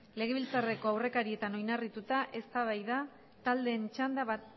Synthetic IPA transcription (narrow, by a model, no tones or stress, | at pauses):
le̞ɣ̞e̞βilt͡sare̞ko̞awre̞kaɾie̞t̪ano̞jnarit̪ut̪aʔe̞st̪aβajða | t̪ald̪e̞ːnt͡ʃand̪aβa